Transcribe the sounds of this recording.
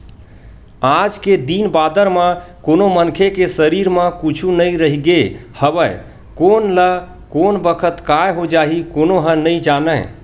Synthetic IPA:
ad͡ʒked̪inbad̪əɾmə̃konomənkʰekesəɾiɾmə̃kut͡ʃʰunəiɾəɦiɡehəbəj | konlə | konbəkʰət̪kajɦod͡ʒaɦikonoɦə̃nəid͡ʒanə

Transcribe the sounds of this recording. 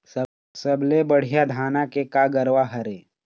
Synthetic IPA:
səblebəɽ̤ijad̪ʱaːnakekaɡəɾwaɦɐɾeː

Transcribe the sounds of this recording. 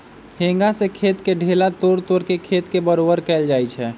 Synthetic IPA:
hẽŋɡasekʰet̪keɖʱelat̪oɽt̪oɾkekʰet̪kebəɾobəɾkɛld͡ʒajt͡ʃʰɛ

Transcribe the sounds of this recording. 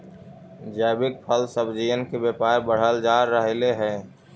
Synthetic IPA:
d͡ʒɛːbɪk̚pʰəlsəbd͡ʒijənkebeːpaːɾbəɽ̤əld͡ʒaːɾːəɦleɦɛ̃ː

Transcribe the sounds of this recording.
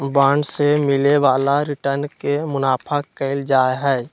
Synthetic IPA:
bãːɳɖsemɪleʋaːlaɾɪʈənkemʊnaːpʰakəɪld͡ʒaːeɦɛː

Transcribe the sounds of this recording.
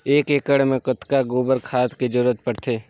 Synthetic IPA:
eːkeːkəɽmẽkət̪kaɡoːbəɾkʰaːt̪kid͡ʒəɾuːɾət̪̚pəɽt̪ʰeː

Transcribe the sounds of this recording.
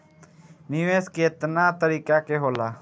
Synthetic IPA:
niʋeːskeːt̪naːt̪əɾiːkaːkeɦoːlaː

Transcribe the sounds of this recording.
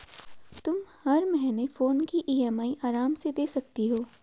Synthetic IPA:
t̪ʊmhɐɾmɛɦɛnefoːnkiʔiːɛːmaːiʔaːɾaːmsed̪eːsɐk̚t̪iɦoː

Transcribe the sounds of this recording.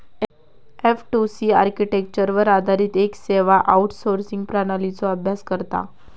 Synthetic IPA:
efʈusia̰ɾkiʈek̚t͡ɕəɾʋəɾad̪ʱaɾiːt̪ekseʋaʔauʈsoɾsiŋɡ̚pɾanalit͡sɔəbʱjaskəɾt̪a̰

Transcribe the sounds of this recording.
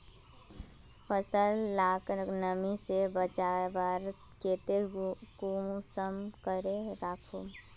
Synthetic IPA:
pʰəsəlːaːknəmisebət͡ʃaːbaːɾ | keːt̪eɡumsəmkəɾeɾaːkʰoː

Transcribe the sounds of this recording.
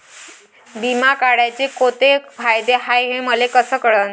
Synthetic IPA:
bimakaɽat͡ɕekot̪efʰajd̪eɦajɦeməlekəsəːkəɭən

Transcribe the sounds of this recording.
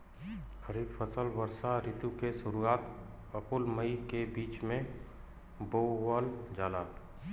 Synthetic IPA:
xəɾiːbpʰəsəlʋəɾsaɾɪt̪ukesʊɾuaːt̪ | əpʊlməikebiːt͡ʃmẽ | boəld͡ʒaːlaːt̪

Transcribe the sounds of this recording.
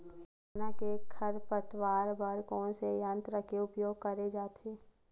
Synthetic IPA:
ɦ | nakekʰəɾpɾət̪waːɾbəɾkɔ̃ːnsejãnt̪ɾəkʰeʊpjoːɡ̚kəɾed͡ʒaːt̪ʰeː

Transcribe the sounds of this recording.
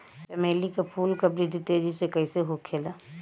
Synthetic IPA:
t͡ʃɐmeːlikapʰuːlkɐbɾid̪ʱit̪eːd͡ʒisekɐiseɦokʰːeːlaː

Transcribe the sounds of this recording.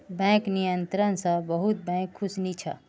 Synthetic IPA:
bɛ̃knijənt̪ɾənsə̃bəɦut̪̚bɛ̃kʰːusnit͡ʃʰə̰

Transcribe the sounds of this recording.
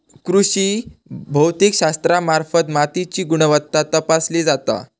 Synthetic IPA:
kɾuɕiːbʱəwt̪ikɕast̪ɾamaɾfət̪mat̪it͡ɕiːɡuɽ̃əʋət̪ːat̪əpasled͡zat̪a̰

